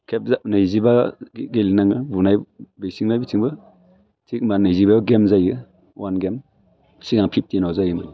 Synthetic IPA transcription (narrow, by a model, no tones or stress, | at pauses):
kʰep̚zanɯizibaɡelinaŋɯbunajbesiŋnajbitʰiŋbɯ | tʰik̚manɯizibajɔɡemzajɯ | wanɡem | siɡaŋpʰip̚tinawzajɯmani